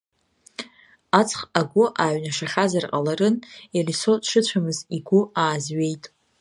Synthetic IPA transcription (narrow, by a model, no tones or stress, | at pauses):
at͡sʰʼχaɡʷʊʔaɥnaʂaχʲazarqʼalaɾɨnjalisodʂɨt͡ɕʷʰamɨziɡʷʊaːzɥe̞jtʼ